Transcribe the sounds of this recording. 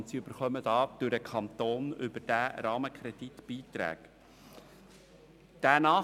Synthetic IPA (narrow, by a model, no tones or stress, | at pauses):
ntsiɵbəɾχœməd̥ɑːd̥øɾəkʰɑnt̪oːnʏbəd̥æːɾɑːməkʰɾɛd̥itb̥iːt̪ɾæ̰ːk | d̥ænɑː